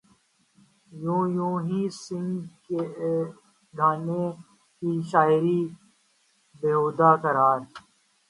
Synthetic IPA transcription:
jũːjũːɦiːsɪ̃ŋɡke | ɡʱaːnẽ | kiːʃaːɪɾiː | beɦoːd̪aːkəɾaːɾ

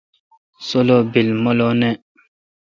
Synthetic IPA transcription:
solɔbilmɔlɔnɛ

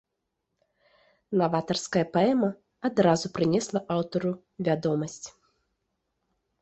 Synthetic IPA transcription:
navat̪ɐrskɐjɐpaɛmɐ | ad̪ɾazupɾɨnʲɛslˠɐʔawt̪ɐɾu | vʲad̪ɔmɐsʲt͡sʲ

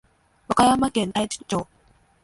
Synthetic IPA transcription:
βakajamakẽ̞nt̪ait͡ɕi̥t͡ɕoː

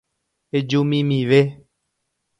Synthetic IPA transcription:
ed͡ʒumĩmĩʋe

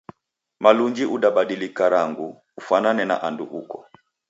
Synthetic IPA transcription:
maluɲd͡ʒiʔuɗaɓaɗilikaɾaŋɡuː | fananɛna̰ʔandṵʔukɔ

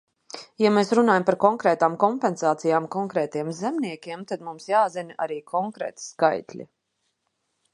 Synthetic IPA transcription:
jameːsɾunaːjampaɾkɔŋkɾɛːt̪aːmkɔmpɛnsaːt̪sijaːmkɔŋkɾɛːt̪iɛmzɛmniɛkʲiɛmt̪ad̪mumsjaːzina̰ɾiːkʰɔŋkɾɛ̰ːt̪skajt̪ʲlʲḭ

